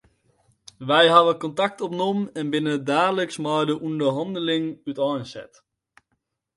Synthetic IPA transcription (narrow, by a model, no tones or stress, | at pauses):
ʋɛjɦaʋəkɔntak̚tɔpnɔmɛnbɪnədaːdələksmajdəʔundəɹɦɑndəlɪŋytɔjnsɛ̰t